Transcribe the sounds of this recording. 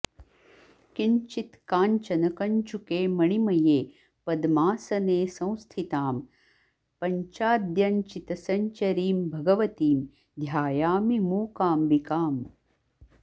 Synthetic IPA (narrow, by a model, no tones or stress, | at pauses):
kiɲt͡ʃit̪kaːnt͡ʃɐnɐkɐɲt͡ʃukeːmɐɳimɐjeː | pɐd̪maːsɐneːsɐ̃w̃st̪ʰit̪aːm | pɐɲt͡ʃaːd̪jɐnt͡ʃit̪ɐsɐɲt͡ʃɐɾiːmbʱɐɡɐʋɐt̪iːm | d̪ʱjaːjaːmimuːkaːmbikaːm